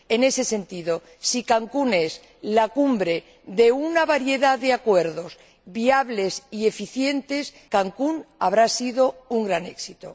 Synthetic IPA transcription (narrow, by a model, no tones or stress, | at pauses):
e̞ne̞se̞se̞nt̪iðo̞ | sikaŋkune̞s | lakumbɾe̞ | ðe̞unaβaɾje̞ðaðe̞akwe̞ɾðo̞s | βiaβle̞sie̞fiθje̞nt̪e̞s | kaŋkunaβ̞ɾasiðo̞uŋɡɾane̞ksit̪o